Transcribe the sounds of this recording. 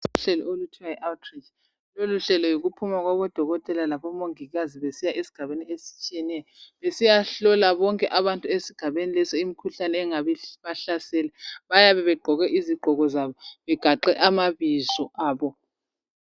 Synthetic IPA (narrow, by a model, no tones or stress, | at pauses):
sɬɛlɔ̰olutʰiwaɛʔawtʰrit͡ʃ | loluɬɛlɔjoɣupʰumaɣwaβɔd̥ʱɔɣɔtʼɛlalaβɔmoŋiɣaziβesijaʔesi̥ɡ̥ʱaβeniesi̥t͡ʃʼijɛnɛjɔβesijaɬɔlaβɔŋkʼɛʔaβantʼuesiɡ̥ʱaβenilɛsɔimikʰuɬanɛːŋaβɛβaɬasɛːlɛβajaβɛβɛɡ͡ǃʱɔɣɛʔiziɡ͡ǃʱɔɣɔzaβɔβɛɡ̥ʱaǃɛʔamaβizɔʔaːβɔ